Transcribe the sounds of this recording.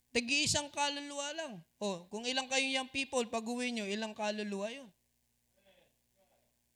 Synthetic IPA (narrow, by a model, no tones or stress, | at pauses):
t̪ɐɡɪʔɪsaŋkaːlolualaŋʔokʊŋɪlaŋkɐjoŋjɐŋpiːpolpɐɡʊwɪɲoʔɪlaŋkaːlolʊwajo